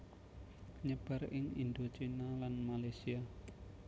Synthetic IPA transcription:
ɲəb̥a̤rɪŋḭnd̪ot͡ʃinalanmalajsia

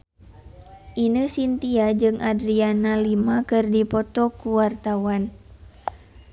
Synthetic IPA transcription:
ʔinəsint̪iad͡ʒɨŋʔadɾianalimakɨrdipɔt̪ɔkuwart̪awan

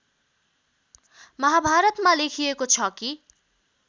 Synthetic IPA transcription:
mʌɦabʱaɾʌt̪malekʰijekot͡sʰʌki

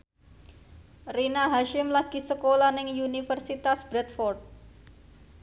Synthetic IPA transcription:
rinaɦaʃɪmlaɡ̥i̤səkolanɪŋunifərsit̪asb̥ɾɛt̪̚fɔrt̪̚

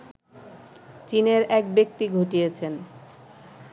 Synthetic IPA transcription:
t͡ɕineɾɛk̚bek̚t̪iɡʱoʈijet͡ɕʰen

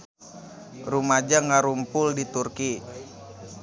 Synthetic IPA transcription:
rumad͡ʒaŋaɾumpʊldit̪urki

